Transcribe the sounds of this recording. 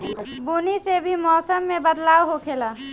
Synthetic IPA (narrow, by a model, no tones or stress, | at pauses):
bunisebʱimɔːsəmːebəd̪laːwɦokʰela